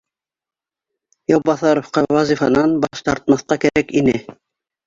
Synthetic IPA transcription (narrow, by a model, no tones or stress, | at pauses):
jowbɑθɑɾŏfqɑwɑzifɑnɑnbɑʃt̪ɑɾt̪̚mɑθqɑkæɾækinɘ